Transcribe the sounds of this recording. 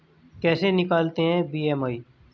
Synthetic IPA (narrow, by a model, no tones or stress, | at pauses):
kɛːsenɪkaːlt̪eɦɛ̃biːɛːmaːi